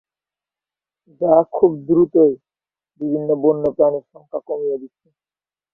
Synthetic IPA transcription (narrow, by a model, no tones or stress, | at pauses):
d͡ʑakʰubd̪ɾut̪oj | bibʱinːobonːopɾaniʃɔŋkʰakomijed̪itːɕʰe